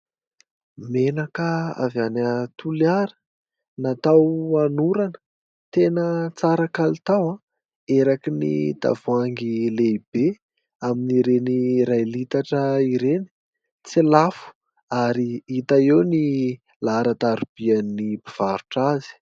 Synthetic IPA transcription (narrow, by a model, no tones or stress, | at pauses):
menakəa̰vanət̪uliaɾə̥ | nat̪awanuɾanə̥ | t̪enət͡saɾakalit̪awa | eɾakinḭt̪a̰vuaŋɡileib̥e | aminiɾeniɾajlit̪aʈ͡ʂəiɾeni̥ | t͡silafu̥ | aɾiit̪aewni | laɾat̪aɾub̥ianːibiv̥aɾuʈ͡ʂazi̥